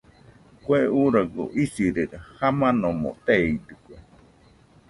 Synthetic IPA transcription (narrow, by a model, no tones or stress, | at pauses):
kweuɾaɡo̰ʔisiɾeɾahamãnomo̰t̪eid̪ɨkue